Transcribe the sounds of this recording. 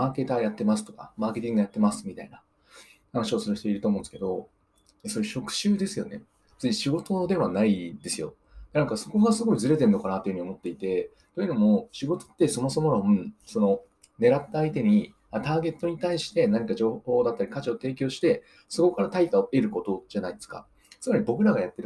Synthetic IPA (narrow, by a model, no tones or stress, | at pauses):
aːke̞t̪ajat̪ːe̞masɨ̥t̪o̞ka̰maːke̞t̪ʲĩŋɡojat̪ːe̞masɨ̥mʲit̪a̰ina | hanaɕio̞sɨɾɯ̟ɕi̥t̪e̞iɾɯ̟t̪omõnd̪sɨ̥ke̞d̪o̞ | esoɾeɕo̞kɯ̟̥ɕɨːd̪e̞sɨjo̞̰ne̞̰ | t͡sɨɲiɕiɡo̞t̪o̞d̪e̞βanaid̪e̞sɨjo̞̰ | nãŋkaso̞ko̞ɡasɨɡo̞izɨɾe̞t̪e̞ɾɯnːo̞kanat̪ːe̞iɯ̟ɲio̞mot̪ːe̞it̪e̞ | t̪o̞jiɯ̟no̞mo̞ɕiɡo̞t̪o̞̥t̪ːe̞so̞mo̞so̞mo̞ɾaɯ̟so̞no̞ | ne̞ɾat̪ːaːit̪e̞ɲ̟i | at̪aːɡe̞t̪ːo̞ɲ̟it̪aiɕi̥t̪e̞naɲ̟ikaʑo̞ːho̞ːd̪at̪ːaɾʲikat͡ɕiot̪e̞ːk̬ʲo̞ːɕi̥t̪e̞ | so̞ko̞kaɾat̪aik̪aoe̞ɾɯ̟ko̞t̪o̞ʑanaid̪e̞sɨ̥ka̰ | t͡sɨmaɾʲibo̞k̬ɯ̟ɾaɡajat̪ːe̞ɾɯ